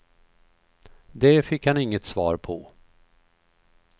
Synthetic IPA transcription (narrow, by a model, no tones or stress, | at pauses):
d̪ɛfɪkhanɪŋːət̪svɑ̰ːɾpʰɔ